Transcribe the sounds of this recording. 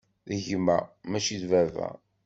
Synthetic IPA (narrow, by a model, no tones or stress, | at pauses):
ðəʝmæ̰mæʃiðvævæ̰